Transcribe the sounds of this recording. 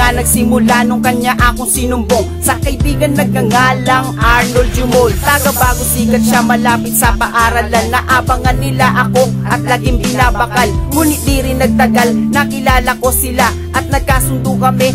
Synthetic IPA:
anɐɡsɪmʊlanoŋkɐɲɲaʔaːkoŋsɪnʊmboŋ | sɐkɐʔɪbiːɡɐnːɐɡ̚kɐŋaːlɐŋʔaɹnold͡ʒʊmolt̪aɡɐbaːɡʊsiːɡɐt̪̚ʃamɐlaːpɪt̪̚sɐpaʔaːɾɐlalnɐʔaːbɐŋɐnːɪlaʔɐko̞ʔɐt̪̚lɐɡɪŋpɪnaːbɐkalmuːnɪt̪̚d̪iɾɪnːɐɡ̚t̪ɐɡalnɐkɪlaːlɐko̞sɪla | ʔɐt̪̚nɐɡ̚kaːsʊnd̪okɐmɛ

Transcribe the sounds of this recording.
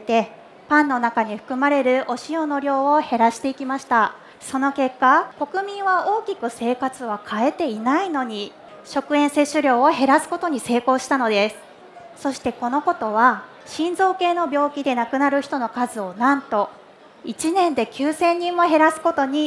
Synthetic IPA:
t̪e̞ | pãnːo̞nakaɲ̟iɸɯ̟̥kɯ̟maɾe̞ɾɯ̟ʔo̞ɕio̞no̞ɾʲjo̞ːohe̞ɾaɕi̥t̪e̞ikʲimaɕi̥t̪a | so̞no̞ke̞kːako̞kɯ̟mʲĩɰ̃βao̞ːkʲikɯ̟se̞ːkat͡sɨβakʰae̞t̪e̞inaino̞ɲ̟i | ɕo̞kɯ̟ẽ̞ɰ̃se̞ɕɨɾʲo̞ːoɦe̞ɾasɨ̥ko̞t̪o̞ɲ̟ise̞ːko̞ːɕi̥t̪ano̞d̪e̞sɨ̥ | so̞ɕi̥t̪e̞ko̞no̞ko̞t̪o̞βa | ɕĩnzo̞ːke̞ːno̞bʲo̞ːkʲid̪e̞nakɯ̟naɾɯ̟çi̥t̪o̞nokazɨo̞nãnt̪o̞ | it͡ɕinẽ̞nd̪e̞kʲɨːsẽ̞ɲ̟ːĩmːo̞ɦe̞ɾasɨ̥ko̞t̪o̞ɲ̟i

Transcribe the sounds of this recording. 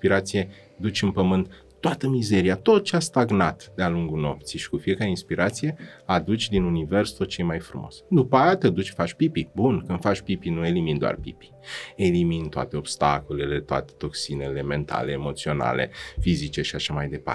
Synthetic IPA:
spiɾat̪sije̞ | d̪ut͡ʃʲɨnpəmɨnt̪ː | oat̪əmize̞ɾiat̪o̞t̪̚t͡ʃeast̪aɡnat̪d̪ealuŋɡuno̞̰p̚t̪siʃi̥kufije̞kaɾeinspiɾʔat̪sije̞ad̪ut͡ʃʲd̪inunive̞rst̪ot̪̚t͡ʃe̞jmajfɾumo̞̰sd̪upajat̪ed̪ut͡ʃʲfat͡ʃʲpipibunkɨnfat͡ʃʲpipinuelimind̪oa̰rpḭpi̥e̞limint̪oa̰t̪e̞o̞bst̪ako̞lele̞t̪oa̰t̪e̥t̪o̞ksinele̞me̞nt̪ʰa̰leːmo̞t̪sio̞na̰lḛfizit͡ʃe̞ʃiaʃamajd̪e̞pa̰

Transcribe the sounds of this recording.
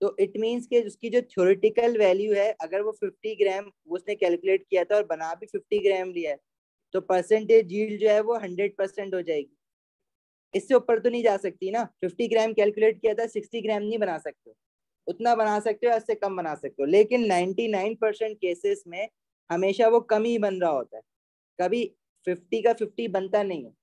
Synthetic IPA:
t̪oːʔɪʈmiːnzkeʊskid͡ʒoːt̪ʰijoːɾɪʈɪkəlʋɛːljuɦɛʔɐɡəɾʋofɪfʈiɡɾɛːm | oʊsnekɛːlkʊleːʈ̚kijat̪ʰaɔːɾbɐnaːbʱifɪfʈiɡɾɛːmliaɛ | t̪opɐɾsɛ̃ɳʈjed͡ʒiːld͡ʒoːɦɛʋoɦɐ̃ɳɖɾeɖ̚pɐɾsɛ̃ɳʈɦod͡ʒaːeːɡiː | ɪsːeʊpːəɾt̪onɐɦĩd͡ʒaːsɐk̚t̪iɛnaːfɪfʈiɡɾɛːmkɛːlkjʊleːʈ̚kijat̪ʰaɛsɪksʈiɡɾɛ̃ːmnɐɦĩbɐnaːsɐk̚t̪eɦo | ʊt̪nabɐnaːsɐk̚t̪eɦoɪsːekɐmbɐnaːsɐk̚t̪eɦoleːkɪnːãɪ̃ɳʈinaːɪnpɐɾsɛ̃ɳʈ̚keːsɪzmẽ | hɐmeːʃaʋokɐmibɐnɾaɦaɦo̰ːt̪aɦɛ | kɐbʱi | fɪfʈikafɪfʈibɐ̃nt̪anɐɦĩɦɛː

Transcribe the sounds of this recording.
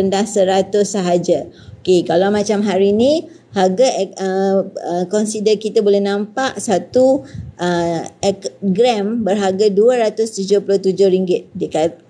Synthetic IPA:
əndahsəɾat̪ʊsːəɦad͡ʒaokekalawmãt͡ʃamɦaɾinĩ | haɡaəəkɔnsidəkit̪abolɛhnãmpaʔsat̪uʔəɛkɡɾɛmbərɦaɡaduəɾat̪ʊst̪ud͡ʒʊhpulʊt̪ud͡ʒʊhɾiŋɡɪt̪̚dəka

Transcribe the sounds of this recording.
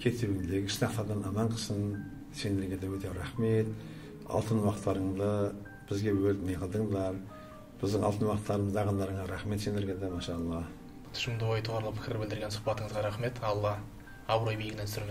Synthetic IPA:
kʲʰe̞t̪ebɪŋd̪eɡʲɪɪ̥ʃnɑqt̪ɑd̪ɑnɑmɑɴqʰə̥sən | se̞nd̪eɾɡʲed̪ewɵt̪e̞ɾɑχme̞t̪ | ɑ̰lˠt̪ənwɑqət̪ːɑɾəɴd̪ə | b̥ɪzɡʲe̞wɵld̪nejqʰəlˠd̪əɴd̪ɑɾ | b̥ɪzd̪ɪŋɑlˠt̪ənwɑqət̪ːɑɾəməzɑʁɑnd̪ɑɾəɴɑɾɑχme̞t̪se̞nd̪eɾɡʲed̪emɑʃɑɑlˠːɑ | t̪ʰʏ̥ʃɪmd̪əwojt̪ʰoʁɾlˠəpʰɪ̥kʲɪɾbɪld̪ɪɾɡʲensʊ̥χpɑt̪əɴəzʁɑɾɑχme̞t̪ɑlˠːɑ | ɑbɾojbejɡɪnent̪sɪɾme

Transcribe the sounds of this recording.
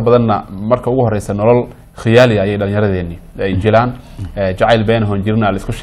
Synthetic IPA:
ɐbɐðɐnːɐmɐrkʰɐʊɣʊɦɔrɛjsɐnɔlɔl | xɪjaːlɪjɐːjɛjɖɐlɪ̃jɐɾɐðɛːnːɪ | ɛjt͡ʃɪlaːn | ɛːt͡ʃɑʕɑjlbɛːnɦɔːnt͡ʃɪɾɪnɐːlɐɪskʰʊʃ

